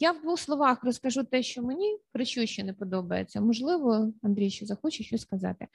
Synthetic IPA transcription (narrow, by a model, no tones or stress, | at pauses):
jaʋd̪ʋuxslˠɔʋɑxrɔskɐʒut̪ɛʃt͡ʃɔmenʲipɾɪt͡ʃuʃt͡ʃːɔnɛpɔd̪ɔbɐjet͡sʲːɐmɔʒlˠɪʋɔɐnd̪ɾʲijʃɔzɐxɔt͡ʃɪʃt͡ʃɔsʲkɐzɑ̰t̪ɪ